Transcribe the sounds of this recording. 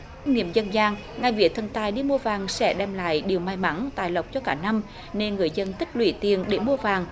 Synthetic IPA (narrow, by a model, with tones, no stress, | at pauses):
ŋḭ˧˨əmzə˧nzaː˧ŋ | ŋa˨˩jvḭ˧˨ət̪ʰə˧˩nt̪aː˨˩jɗi˧mu˧əvaː˨˩ŋsɛ̰˧˥ɗɛ˧˩mla̰ː˧˨jɗi˨˩əwma˨˩jma˧˥ŋt̪a̰ː˧˨jlə˨˩wk͡p̚t͡ɕɔ˧kaː˧˩na˧m | ne˧nŋɨ˨˩əjzə˧nt̪ï˦˥k̟̚lwḭ˧˩t̪i˨˩ənɗe˧˩mu˧əvaː˨˩ŋ